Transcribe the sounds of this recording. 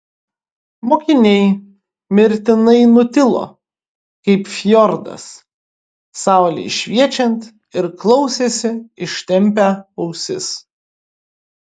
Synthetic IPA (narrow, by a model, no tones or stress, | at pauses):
moːkʲɪnʲɛɪ | mʲɪɾʲt̪ʲɪnɐɪnʊt̪ʲɪlˠo̰ː | kɐɪpfʲjɔɾd̪ɐ̰s | sɑˑʊlʲḛɪʃʲʋʲiɛt͡ʃʲɛnt̪ | ɪɾklˠɔʊsʲeːsʲɪɪʃʲt̪ʲɛmʲpʲæɐʊsʲɪ̰s